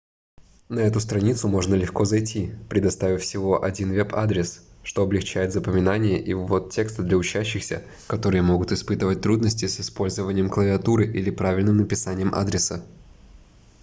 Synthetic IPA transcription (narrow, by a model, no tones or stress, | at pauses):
nɐɛt̪ʊst̪ɾɐnʲit̪sʊmo̞ʐnəlʲɪxko̞zɐjtʲʰipɾʲɪd̪ɐst̪avʲɪfsʲɪvo̞ʔɐdʲinvʲɛpʰa̰d̪ɾʲɪsʂt̪o̞ɐblʲɪxt͡ɕæjɪt̪zəpəmʲɪnanʲɪjəʔɪvot̪tʲːekst̪əd̪lʲɐʊt͡ɕæɕːɪxsʲə̰ | kɐt̪o̞ɾɨjəmo̞ɡʊt̪ɨɪspɨt̪ɨvət̚ʲt̪ɾud̪nəsʲtʲɪsɪspo̞lʲzəvənʲɪjəmklˠəvʲɪɐt̪uɾɨʔilʲɪpɾavʲɪlʲnɨmnəpʲɪsanʲɪjəmʔa̰d̪ɾʲɪsə